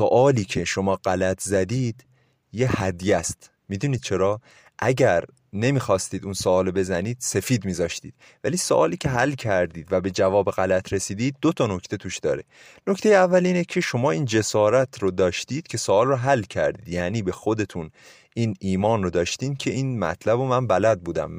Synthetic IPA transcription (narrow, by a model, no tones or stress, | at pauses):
soʔɒːliːcʰe̞ʃo̞mɒːɢælæt̪ʰzæd̪iːd̪̥ | jehæd̪jæst̪ | mid̪uniːd̪̥̚t͡ʃʰe̞ɾɒː | ʔæɟæɾ | ne̞miːxɒːst̪iːd̪unsoɒːlobe̞zæniːd̪̥se̞fiːd̪miːzɒːʃt̪iːd̪̥̚ | væliːso̰ʔɒːliːcʰe̞ɦælːcʰæɾd̪iːd̪væbe̞d͡ʒævɒːbeɣælæt̪ʰɾe̞siːd̪iːd̪̚ːot̪ʰɒːno̞cʰt̪ʰe̞t̪ʰuːʃd̪ɒ̰ːɾe | no̞kcʰt̪e̞jeævːæliːnecʰeʃo̞mɒːiːnd͡ʒe̞sɒːɾæt̪ʰɾod̪ɒːʃt̪iːd̪̥cʰe̞soɒːlroɦælːcʰæ̰ɾd̪iːd̪jæːniːbe̞xo̞d̪e̞t̪ʰun | ʔiːniːmɒːnrod̪ɒːʃt̪iːmcʰe̞iːnmæ̰t̪ʰlæbomænbælæd̪̚buːd̪æ̰m